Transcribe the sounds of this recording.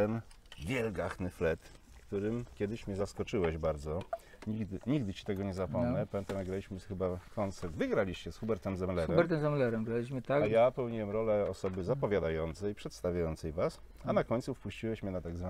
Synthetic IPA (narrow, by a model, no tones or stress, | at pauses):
t̪ɛnvʲjɛlɡaxnɘflɛt̪ | kt̪uɾɘmkʲɛd̪ɘɕmʲɲɛzaskɔt͡ʂɘwɛʑbaɾd̪zɔɲiɡd̪ɘɲiɡd̪ɘt͡ɕi̥t̪ɛɡɔɲɛzapɔmnɛpavʲɛnt̪anaɡɾalʲiɕmɘxɘbakʰɔnt̪sɛɾd̪vɘɡɾalʲiɕt͡ɕɛsxubɛɾt̪ɛmzɛmlɛɾuɛmbɛmɾt̪ɛmzɛmlɛɾɛmɡɾalʲiɕmɘt̪ajapɛwɲiwɛmɾɔlɛɔsɔbɘzapɔvʲjad̪ajɔnt̪sɛjpʂɛt̪st̪avʲjajɔnt̪sɛjvas | anakɔɲt̪sufpuɕt͡ɕiwɛɕmʲɲɛnat̪aɡzva